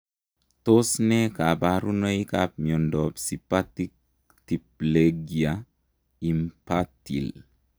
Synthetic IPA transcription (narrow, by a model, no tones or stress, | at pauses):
t̪osnɛkabaɾunəikapmiondɔbsipatik̚ | tipleɡia | impatḭl